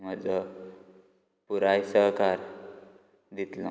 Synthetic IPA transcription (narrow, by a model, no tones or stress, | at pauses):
məd͡zə | puɾajsəɦkaɾ | d̪it̪lɔ̰̃